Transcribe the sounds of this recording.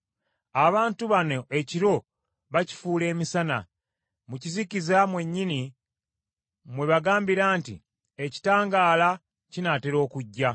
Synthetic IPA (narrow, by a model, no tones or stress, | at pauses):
aβaːntuβano̞ʔe̞ciɾo̞ | βaci̥fuːle̞ːmisana̰ | mucizikizamwe̞ɲːini | mwe̞βaɡaːmbiɾaːntḭ | e̞ci̥taːŋɡaːla | cinateɾo̞ːkuɟːa